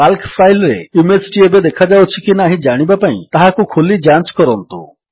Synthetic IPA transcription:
palkpʰajlɾejunimeɾsi̥ʈiebed̪ekʰad͡ʒawt͡ʃʰikinaɦĩd͡ʒaɽ̃ibapaḭ̃t̪aɦakukʰulid͡ʒãnt͡ʃkɔɾɔnt̪ṵ

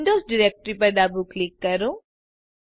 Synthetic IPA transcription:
ɳɖoːsɖɪɾeːk̚ʈɾipɐɾd̪aːbuklɪkːɐɾõː

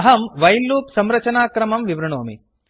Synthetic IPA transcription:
ɦɐmʋɐjlːuːpsɐmɾɐt͡ʃɐnaːkɾɐmɐmʋiʋɾɐɳoːmḭ

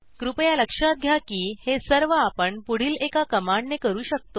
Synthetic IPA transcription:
kɾupəjaləkʂaɡʱjakiːhesəɾʋəapəɳpuɽ̤iːlekakəmaɳɖnekəɾuːɕək̚t̪o

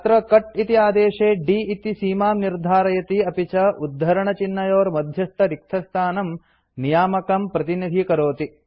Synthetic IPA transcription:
t̪ɾɐkɐʈit̪iaːd̪eːʂeːɖiːit̪isiːmaːmniɾd̪ʱaːɾɐjɐt̪iɐpit͡ʃɐʔud̪ʱːɐɾɐɳɐt͡ʃinːɐjoːɾmɐd̪ʱjɐst̪ʰɐɾik̚t̪ʰɐst̪ʰaːnɐm | nijaːmɐkɐmpɾɐt̪inid̪ʱikɐɾoːt̪i

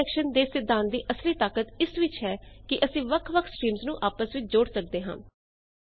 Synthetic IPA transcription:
ɛːkʃənd̪eːsɪd̪ʱãːnd̪iːʔəsliːt̪aːkət̪ɪsʋɪt͡ʃɦɛːkɪʔəsĩːʋəkʰʋəkʰsʈɾiːmznũːʔaːpəsʋɪt͡ʃd͡ʒoːɽsək̚d̪eːɦã̰ː

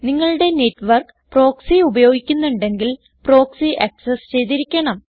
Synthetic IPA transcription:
niŋːɐɭuɽe̞neʈːʋɐrk | pro̞ːksiubɐjo̞ːɡikʲːunːuɳɖe̞ŋɡil | pro̞ːksiʔɐksest͡ɕe̞jt̪̬iɾikʲːɐɳɐm

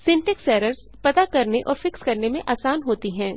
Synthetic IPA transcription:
sɪ̃ɳʈɛksɛːɾəɾz̥ | pɐt̪akɐɾneʔɔːɾfɪkskɐɾnemẽʔaːsaːnɦoːt̪iɦɛ̃ː

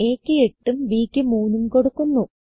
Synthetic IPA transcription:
eːkʲːɨe̞ʈːumʋiːkʲːɨmuːnːumko̞ɽukːunːu

